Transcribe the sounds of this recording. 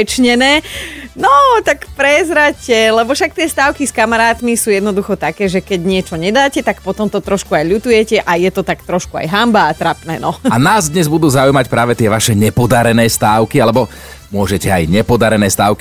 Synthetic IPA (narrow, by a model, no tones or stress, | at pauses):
t͡ʃɲɛnɛːnɔt̪akpɾɛzɾacɛlɛbɔfʃak̚t̪ɪɛst̪aːʊkiskamaɾaːt̪misuːjɛd̪nɔd̪uxɔt̪akɛːʒɛkɛɟɲɪɛt͡ʃɔɲɛd̪aːcɛt̪akpɔt̪ɔmt̪ɔt̪ɾɔʃkuajʎut̪ujɛcɛʔajɛt̪ɔt̪akt̪ɾɔʃkua̰jɦambaːt̪ɾapnɛ̰ːnɔanaːzd̪ɲɛzbud̪uːzaujmacpɾaːʋɛt̪ɪɛʋaʃɛɲɛpɔd̪aɾɛnɛːst̪aːʊkialɛbɔ | mʊɔʒɛcɛajɲɛpɔd̪aɾɛnɛːst̪aːʊki